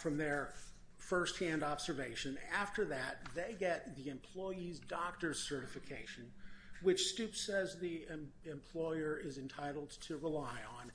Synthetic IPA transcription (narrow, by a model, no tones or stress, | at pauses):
fɹʌ̃mðə˞ | fɜ˞st̚hæ̃ndɑbz̥ə˞veɪʃɨ̃næftə˞ðɨt̪̚ðeɪɡɛt̪̚ðiɨ̃mpʰl̥ɔɪizdɑk̚tə˞z̥sɜ˞ɾɨfɨkʰeɪʃɨ̃nwɨt͡ʃstʉpsɛzðiɨ̃mɨ̃mpʰl̥ɔɪə˞ɪzɨ̃ntʰaɪɾl̩ˠd̚tʰɨɹəlaɪə̃n